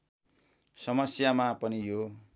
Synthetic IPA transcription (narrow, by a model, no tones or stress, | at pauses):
sʌmʌsjamapʌnijo